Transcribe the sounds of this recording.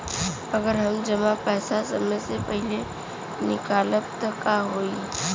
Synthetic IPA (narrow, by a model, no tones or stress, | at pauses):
ɐɡəɾɦɐmd͡ʒɐmapɛːsasəməsepəɦɪle | nɪkaːləp̚t̪əkaːɦoːi